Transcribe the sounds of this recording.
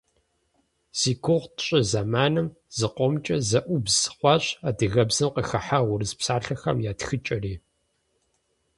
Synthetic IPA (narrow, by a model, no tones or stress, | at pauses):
siːkʷʰʊʁʷtʰɕʼɐzamaːnɨm | z̥ɨqʷɔmt͡ʃʼɐzɐʔʷʊbz̥χʷɑɕadɨɣɐbzɨmqəxɐħaʁʷʊrɨzpsaːɬɐxɐ̰mjaːtxɨt͡ʃʼɐriː